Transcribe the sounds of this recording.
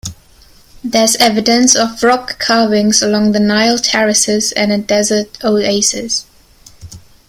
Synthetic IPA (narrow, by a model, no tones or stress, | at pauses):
ðəzɛvɨdə̃nsəvɹɔkʰːɑːvɪ̃ŋzəlɔ̃ŋðənaɪlˠtʰɛɹɨsɪzɨ̃nɨdɛzətoʊeɪsɪz̥